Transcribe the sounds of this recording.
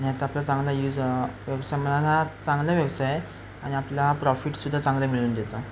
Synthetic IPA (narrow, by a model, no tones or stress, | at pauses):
anijat͡saplat͡sãŋɡlajuːd͡zʋjəwsajm̤ənalat͡sãŋɡljaʋjəwsaj | aɽ̃iapljapɾɔfiʈsud̪ʱːat͡sãŋɡlemiɭuːnd̪et̪o